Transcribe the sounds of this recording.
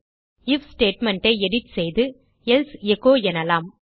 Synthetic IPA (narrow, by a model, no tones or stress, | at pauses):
ɪfsʈeːʈmɛɳʈɐɪɛɽɪʈ̪sɛjðɯ | ɛlsɛɣoːɛnɐlaːm